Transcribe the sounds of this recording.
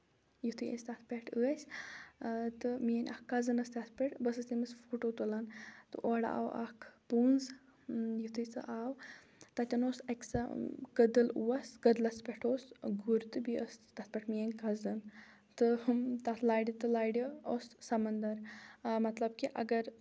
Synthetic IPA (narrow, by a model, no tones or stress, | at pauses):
jit̪ʰɨjḛsʲt̪at̪ʰpʲeʈʰəːsʲ | t̪ɨmijɐnʲʔa̰kːɐzɨnɐst̪ʲɐt̪ʰpʲeʈbɐsɐst̪imɨsfuːʈot̪ulant̪ɨʔoɽa̰ːwɐ̰kʰpunz | jit̪ʰɨt͡sɨ̰ʔaːw | t̪ɐt̪ʲɐnosɐkʲsa̰ɡəd̪ɨlṵwɐsɡɐd̪lɐspʲeʈʰoːsɡuɾt̪ɨbiəst̪ɐt̪ʰpʲeʈmijənʲkɐzɨn | t̪ɨt̪ɐt̪ʰlaːjɖʲit̪ɨlaːjɽiossɐmɐnd̪ɐɾmɐt̪lɐbkiʔɐ̰ɡɐɾ